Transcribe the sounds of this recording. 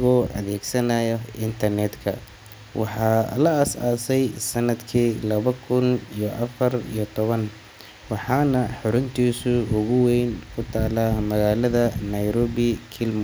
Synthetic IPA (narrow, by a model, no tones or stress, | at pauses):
ɣɔːʔɐ̰ðɛːɡsɐnɐjɔɪnt̪ʰɐrnɛd̪kʰɐ̰ | wɑ̰ħɑːlɐɐsa̰ːsɛjsɐnːɐd̪kʰiːlɐβɐkʰʊnijɔʔɐfɐrḭjɞt̪ʰɔβɐn | wɑħɑːnɐħʊɾʊnt̪ʰiːsʊʊɣʊwɛjnkʰʊt̪ʰaːlamɐɣaːlɐðɐnɐjɾɔːβɪkʰɪlm